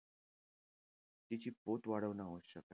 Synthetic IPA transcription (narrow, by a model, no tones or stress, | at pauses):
t̪it͡ɕiːpot̪ʋaɽəʋnaʋoɕəka